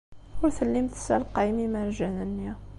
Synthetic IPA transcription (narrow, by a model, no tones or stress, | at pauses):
ʊɾθəlːəmt̪sælqɑjmimæɾʒænənːi